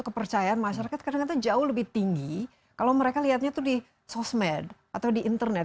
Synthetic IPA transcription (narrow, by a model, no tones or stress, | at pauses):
kːəpərt͡ʃajaanmaʃaɾakat̪̚kadaŋkat̪̬ad͡ʒaʊhləbɪht̪iŋɡi | kalowməɾekaliɦat̪̚ɲat̪udi | sɔsmɛd | at̪awdiʔːnt̪ərnɛt̪̚